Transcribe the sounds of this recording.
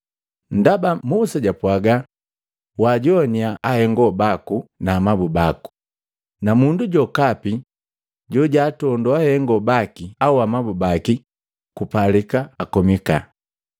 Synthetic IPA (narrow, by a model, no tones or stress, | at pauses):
n̩dabamusaɟapwaɡa | waɟɔɲiaahɛŋɡɔbakunaːmabubaku̥ | namunduɟɔkapi | ɟɔɟaːtɔndɔahɛŋɡɔbakiauamabubaki | kupalikaːkɔmika̰